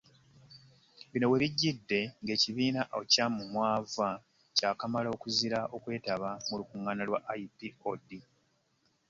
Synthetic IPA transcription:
βino̞we̞βiɟːidːe̞ŋɡe̞ːciβiːnaʔocamumwaːva | caːkamalo̞ːkuziɾaʔo̞kwe̞ːtaβamulukuŋːanalwaʔajibiodi

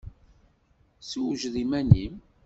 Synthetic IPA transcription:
siwʒðimænim

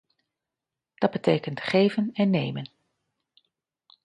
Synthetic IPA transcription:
d̥ɑd̚bətejkəntχejvənɛnːejmən

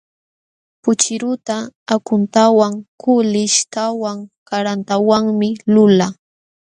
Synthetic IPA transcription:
pʊt͡ʃɪɾʊt̪aːkʊnt̪awaŋkʰʊlɪʃt̪awaŋkaɾant̪awaŋmɪlʊla

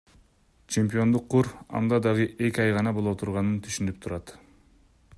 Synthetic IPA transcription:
t͡ʃʰe̞mpʲijo̞nd̪uqʰːuɾɑ̰nd̪ɑd̪ɑʁɯʔe̞kʲiɑjʁɑnɑbolˠot̪ʰuɾʁɑnɯnt̪ʰyʃynyp̚t̪ʰuɾɑt̪

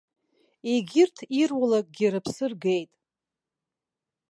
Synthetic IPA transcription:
eɡʲɪrtʰirwalak̚ʼɡʲiɾɨpʰsɨrɡejtʼ

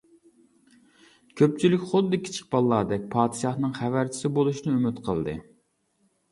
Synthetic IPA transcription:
kʲʰøp̚t͡ʃʰilɪkʲχod̪ɨd̪ɪkʲʰi̥t͡ʃʰɪ̥k̚bɑlˠːɑːd̪ɛk̚ʲpʰɑːt̪ʃɑhnɨŋχævæɾt͡ʃʰi̥sɪbolˠuʃnɪymɪt̪qʰəlˠd̪ɨ̰

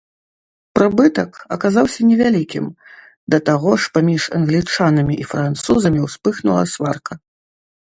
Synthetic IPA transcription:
pɾɨbɨt̪ɐkɐkazawsʲɐnʲɛvʲalʲikʲim | d̪ɐt̪aɣɔʂpamʲiʂɐ̰nɣlʲit͡ʂanɐmʲiʔifɾant̪suzɐmʲiwspɨxnṵlˠɐ̰sʲvarkɐ

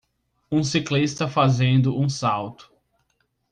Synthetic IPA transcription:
ũsiklist̪ɐfazẽnd̪ʊʔũsawt̪ʊ̥

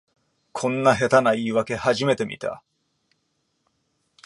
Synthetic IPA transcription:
kʰõ̞nːaɦe̞t̪anaiːβake̞haʑime̞t̪e̞mʲḭt̪ʰa̰

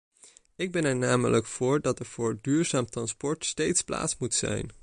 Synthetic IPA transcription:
ɪɡ̚bɛnɛɹnaːmələkfʊːɹdɑtɛɹv̥ʊːɹdyːɹzaːmtrɑnspɔɹtstejtspla̰ːtsmutsɛ̰jn

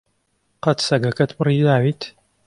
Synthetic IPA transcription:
qɐt̪sɐɡɐkɐt̪pɨrid̪aːwit̪ʰ

